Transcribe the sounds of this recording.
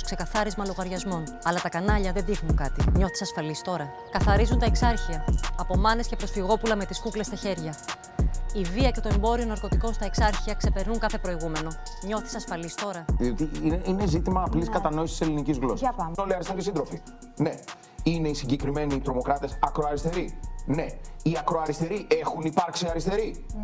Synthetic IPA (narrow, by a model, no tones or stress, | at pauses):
oskse̞kɐθɐɾizmɐlo̞ɣɐɾʝɐzmo̞n | ɐlɐt̪ɐkɐnɐʎɐðeðixnuŋkɐt̪iɲo̞θisɐsfɐlist̪o̞ɾɐ | kɐθɐɾizunt̪ɐeksɐɾçiɐːpo̞mɐne̞scepɾo̞sfiɣo̞pulɐme̞t̪iskukle̞st̪ɐçe̞ɾʝɐ | iviɐce̞t̪o̞e̞mbo̞ɾio̞nɐɾko̞t̪iko̞nst̪ɐeksɐɾçiɐkse̞pe̞ɾnuŋkɐθe̞pɾo̞iɣume̞no̞ | ɲo̞θisɐsfɐlist̪o̞ɾɐot̪iine̞zit̪imɐːpliskɐt̪ɐno̞isi̥iselinicizɣlossoliɐɾist̪ocesind̪ɾo̞fi | ne̞ | ine̞isiɲɟe̞kɾime̞niːt̪ɾo̞mo̞kɾɐt̪e̞sɐkɾoɐɾist̪e̞ɾine̞iɐkɾoɐɾist̪e̞ɾiʔe̞xunipɐɾksiɐɾist̪e̞ɾi